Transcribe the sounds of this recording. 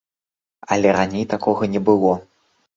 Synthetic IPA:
ɐlʲɛɾanʲejt̪akɔɣɐnʲɛbɨlˠɔ

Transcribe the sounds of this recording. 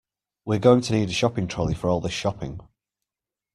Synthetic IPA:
wɪəɡoʊɪ̃ŋtʰəniːdəʃɒpɪ̃ŋtʰɹ̥oʊlɪfəɹɔːlˠðɪsʃɒpʰɪ̰̃ŋ

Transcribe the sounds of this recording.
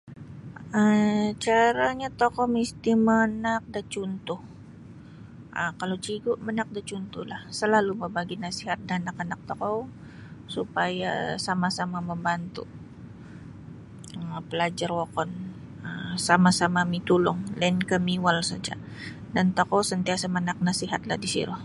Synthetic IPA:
ət͡ʃaɾaɲat̪okɔmist̪imənak̚dat͡ʃunt̪ʊh | ʔəkalot͡ʃiɡʊʔmənak̚dat͡ʃunt̪ʊhlahsəlaluməbaɡinasiɦat̪̚danakanak̚t̪ɔkɔ | supaja̰samasamaməmbant̪ṵ | əpəlad͡ʒarwokɔn | əsamasamamit̪ulʊŋlankəmiwalsa̰d͡ʒa̰ | dant̪ɔkɔsənt̪iasamənak̚nasiɦat̪̚lahdisḭɾʊh

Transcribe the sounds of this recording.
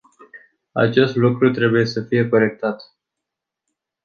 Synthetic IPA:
a̰t͡ʃe̞st̪lukɾut̪ɾe̞buje̞səfije̞ko̞ɾe̞k̚t̪at̪

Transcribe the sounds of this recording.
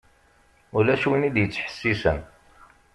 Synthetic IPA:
ʊlæʃuwinid̪jət͡sːħə̥sːisə̰n

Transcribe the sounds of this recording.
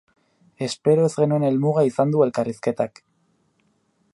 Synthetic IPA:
e̞spe̞ɾo̞ezɣe̞nuene̞lmuɣaisand̪ue̞lkariske̞t̪ak

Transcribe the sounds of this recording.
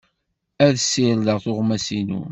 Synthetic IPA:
æðsːilləʁθoʁmæsinṵ

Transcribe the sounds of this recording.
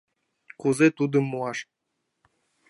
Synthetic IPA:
kuzet̪ud̪ɤ̆muɑʃ

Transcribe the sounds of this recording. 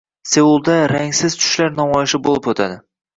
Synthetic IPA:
se̞ulˠd̪aɾaŋsɪzt͡ʃʰʊ̥ʃlaɾn̪ɒmɒjɪʃɪbolˠɪpot̪ʰad̪ɪ

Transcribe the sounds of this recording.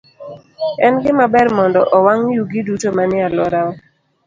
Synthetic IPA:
ɛnɡɪmabɛɾmɔndɔʔɔwaŋjuɡidutomanɪalɔɾaɔ

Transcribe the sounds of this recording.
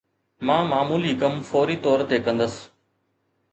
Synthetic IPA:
mãːmaːmuːliːkəmfoːɾiːt̪ɔːɾt̪ekə̃nd̪əs

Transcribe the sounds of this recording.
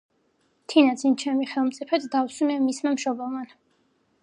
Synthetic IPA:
t̪ʰinad̪sʰint͡ʃʰɛmiχɛlˠmt̪sʼipʰɛt̪ʰd̪awsunɛmismamʃɔbɛman

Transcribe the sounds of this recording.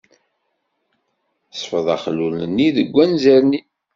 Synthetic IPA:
sˤfəðˤæχlulənːiðəɡʷːænzæɾni

